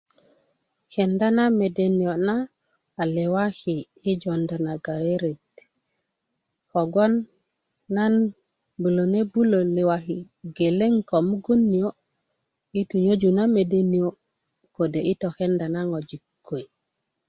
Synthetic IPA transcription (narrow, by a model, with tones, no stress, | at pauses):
xe˨nda˦na˦me˨de˨ni˨o˨naː˦˨ | le˨wa˦xiː˨˦ | d͡ʒo˨nda˨na˨ɡa˨we˦ɾe˨d | ho˨ɡo˦nː | a˦n | bu˨lo˨ne˦bu˦lo˨le˨wa˨xi˨ | ɡe˨le˦ŋko˨mu˦ɡu˦nːi˨o˦ | i˦tu˨ɲo˦d͡ʒu˨na˦me˨de˦ni˨o˦ | ko˨de˨i˦to˨xe˦nda˨na˦ŋo˨d͡ʒi˨kkːo˨i˨